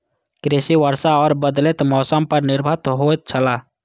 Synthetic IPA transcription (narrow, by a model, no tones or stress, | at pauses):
kɾesiʋəɾsaɔːɾbəd̪let̪mɔːsəmpəɾnɪɾbʱət̪ɦojt̪̚t͡ʃʰəla